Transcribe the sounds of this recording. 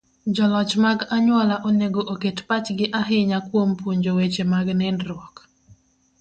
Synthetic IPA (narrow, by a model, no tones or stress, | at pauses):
d͡ʒɔlɔt͡ʃmaɡaɲwɔlaʔoneɡoʔoketpat͡ʃɡɪʔaɦɪɲakwompuɲd͡ʒowet͡ʃemaɡnɪndɾwɔk